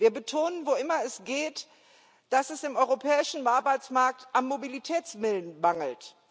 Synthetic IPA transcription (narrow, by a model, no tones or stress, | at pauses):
viːɐbətʰoːnənvoʔɪmɐɛsɡ̥eːt | d̥asɛsɪmʔɔʏʁopʰɛːɪʃn̩vaɐbaɪt͡smaɐk̚tʔanːobilitʰɛːt͡smɪlənmaŋl̩t